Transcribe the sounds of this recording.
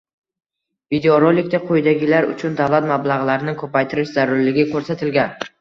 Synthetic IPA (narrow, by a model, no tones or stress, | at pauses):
vid̪eoɾolːɪk̚ʲt̪aqʰojd̪aɡʲɪlaɾʊ̰t͡ʃʰʊnd̪awlˠat̪mablˠaʁlaɾɪnɪŋkʰɵpajt̪ʰɪɾɪʃzaɾʊɾlɪɡʲɪkʰɵɾsat̪ʰɪlɡʲan